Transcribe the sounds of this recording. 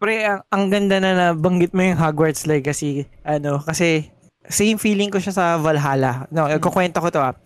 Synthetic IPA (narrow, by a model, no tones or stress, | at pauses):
pɾɛɐŋʔɐŋɡɐnd̪anɐnɐbɐŋɡɪt̪̚mojʊŋɦaɡwɐɹt̪slɐjkɐsiʔɐno̞kɐsɛ | sejmfiːlɪŋkoʃasɐvɐlɦaːlɐɐnoɐkokwɛnt̪okot̪oa